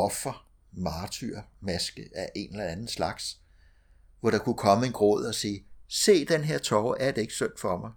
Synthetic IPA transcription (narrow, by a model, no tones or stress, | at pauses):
ɒ̽fɐ | mɑ̈ːt͡sʰyɐ̰mæsɡ̥əʔæʔe̝nelɐænð̩ˠslɑ̈ɡ̥s | ʋɒɾ̥ɑ̈kʰukʰɒ̽məe̝nɡ̥ʁɔ̰ð̰ˠɒ̽siːse̝̰ːd̥enɦe̝ɐ̰t͡sʰɒʊæɐd̥ee̝ɡ̥ə̥søn̰d̥fɒ̽mɑ̈ɪ